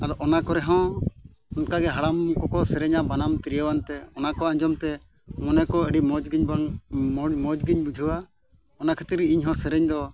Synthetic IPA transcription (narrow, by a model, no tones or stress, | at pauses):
ad̪ɔʔɔnakɔɾɛɦɔ̃ | ɔnkaɡɛɦaɽamkɔkɔsɛɾɛɲabanamt̪iɾijawant̪ɛɔnakɔãɲd͡ʒɔmt̪ɛ | mɔnɛkɔəɖimɔd͡ʒɡɲ | mɔd͡ʒɡiɲbud͡ʒʱuwa | ɔnakʰat̪ɾiiɲɦɔ̃sɛɾɛɲd̪ɔ